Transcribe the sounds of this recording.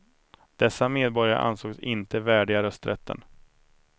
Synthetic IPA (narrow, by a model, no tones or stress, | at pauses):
d̪̥ɛsːameːd̪̚bɔɾjaɾə̰ʔa̰nsoːɡsɪnt̪əvæːɖɪɡaɾœst̪ɾʔɛt̪ʰːə̰n